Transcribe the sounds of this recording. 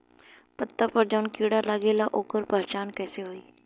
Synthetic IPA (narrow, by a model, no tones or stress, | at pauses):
pət̪ːaːpəɾd͡ʒaːnkiːɽaːlaɡeːlaːʔoːkəɾpəɾt͡ʃaːnkɛːseːɦoːiː